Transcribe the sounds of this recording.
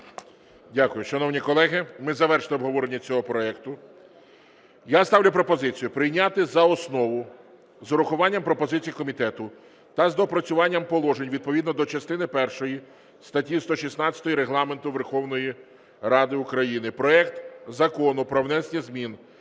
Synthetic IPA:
dʲakʊjʊʃɐnɔwnʲikɔlˠɛɦɪmɪzɐʋɛrʃlˠɪɔbɦɔʋɔɾenʲːɐt͡sʲɔɦɔpɾɔɛkt̪ʊ | jast̪ɑwlʲʊpɾɔpɔzɪt͡sʲijʊpɾɪjnʲat̪ɪzɐɔsnɔʋʊ | zɔɾʊxʊʋɑnʲːɐmpɾɔpɔzɪt͡sʲijikɔmʲit̪ɛt̪ʊ | t̪ɐzd̪ɔpɾɐt͡sʲʊʋɑnʲːɐmpɔlˠɔʒenʲʋʲid̪̚pɔʋʲid̪nɔd̪ɔt͡ʃɐst̪ɪnɪpɛrʃɔji | st̪ɐtʲist̪ɔʃisnɑt͡sʲɐ̥t̪ɔjiɾeɦlˠɑment̪ʊʋerxɔwnɔji | ɾɑd̪ɪʊkɾɐjinɪpɾɔɛkt̪zɐkɔnʊpɾɔʋnɛsnʲɐzmʲin

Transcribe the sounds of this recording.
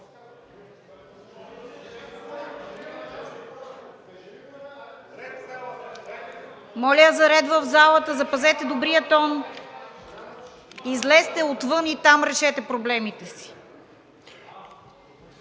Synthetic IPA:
mɔlʲɛəzɐɾɛt̪vəvzalˠət̪əzɐpɐzɛt̪ɛd̪obɾijət̪ɔn | izlɛst̪ɛot̪vɤnit̪amɾɛʃɛt̪ɛpɾoblɛmit̪ɛsi̥

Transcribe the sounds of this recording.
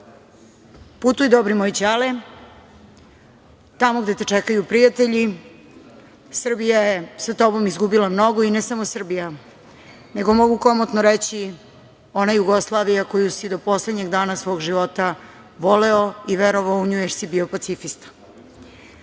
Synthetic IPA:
put̪ujid̪obɾimojt͡ɕale | t̪amoɡd̪e̞t̪et͡ʃekajupɾijat̪eʎi | sr̩bijajesat̪o̞bo̞mizɡubilamno̞ɡo̞inesamosr̩bija | ne̞ɡo̞mo̞ɡuko̞mot̪noɾet͡ɕi | o̞najuɡoslˠaːʋijako̞jusid̪o̞po̞sled̪ɲe̞ɡd̪aːnasʋo̞ːɡʒiʋo̞t̪a | ʋo̞leoiʋeɾoʋaouɲujeɾsibio̞pat̪sifist̪

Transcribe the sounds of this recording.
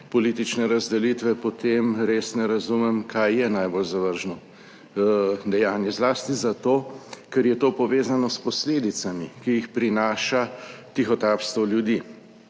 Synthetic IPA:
pɔliːt̪it͡ʃnɛɾazd̪ɛlit̪ʋɛpɔt̪emɾesnɛɾazumɛmkʰajːɛnajbolzaʋəɾʒnɔ | d̪ɛjaːnjɛzlaːst̪izat̪oːkɛɾjɛt̪oːpɔʋeːzanɔspɔsleːd̪it̪samikijixpɾinaːʃat̪ixɔt̪aːpst̪ʋɔljud̪iː

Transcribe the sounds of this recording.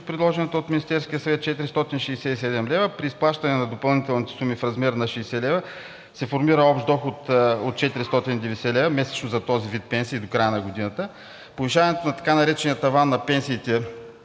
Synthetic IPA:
t̪pɾid̪lˠɔʒɛnɛt̪oot̪minist̪ɛɾskʲijəsɐvɛt̪̚t͡ʃɛt̪iɾist̪ɔt̪inʃɛisɛisɛd̪ɛmlɛvəpɾiːsplˠaʃt̪ɐnɛnɐd̪opɐlˠnit̪ɛlˠnit̪ɛ̥sumifɾɐzmɛɾnɐʃɛːsɛlɛvə | sɛfoɾmiɾəɔpʃt̪d̪ɔxot̪ot̪̚t͡ʃɛt̪iɾist̪ɔt̪inid̪ɛvɛsɛlɛvəmɛsɛ̥t͡ʃnozɐt̪ɔzivit̪̚pɛnsiːd̪okɾajənɐɡod̪inət̪ə | poviʃ̬avɐnɛt̪onɐt̪ɐ̥kanɐɾɛt͡ʃɛnijət̪ɐvanːɐpɛnsiːt̪ɛ

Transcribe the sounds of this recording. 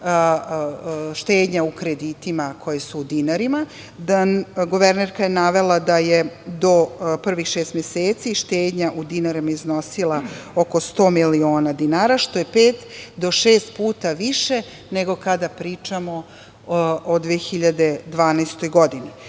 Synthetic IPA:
ʃt̪eːd̪ɲaukɾed̪iːt̪imakʰo̞jesuːd̪inaɾima | d̪anɡuʋeɾneɾkajenaʋe̞lˠad̪ajed̪o̞pr̩ʋixʃeːst̪mjeseːt̪siʃt̪eːd̪ɲaʔud̪inaɾimaizno̞silˠaoko̞st̪o̞ːmilio̞ːnad̪inaːɾaʃt̪o̞je̞peːt̪d̪o̞ʃeːst̪̚puːt̪aʋiʃe̞ | ne̞ɡo̞kad̪apɾiːt͡ʃamo̞ | od̪ʋeːxiʎad̪e̞d̪ʋaːnast̪o̞jɡo̞d̪ini

